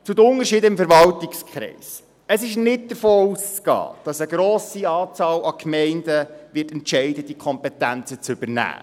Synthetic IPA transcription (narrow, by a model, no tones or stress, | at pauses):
t͡sʊd̪əʊnəɾʃiːdəɪmfəɾvɑltɪkskʰχɾɛ̰ɪs | əsɪʃnɪt̚d̥̪əɾfoːust͡skɑ̰ːd̥ɑsəɡɾoːsiɑːt͡sɑːlɑkmɛɪndəʋɪtɛntʃɛɪdəd̥ikʰɔmpɛtænt͡sət͡sʏbənæ̰ː